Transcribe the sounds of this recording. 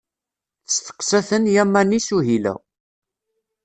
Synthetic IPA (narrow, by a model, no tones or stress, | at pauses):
θəsθə̥qːsæθənjæmːænisuɦilæ̰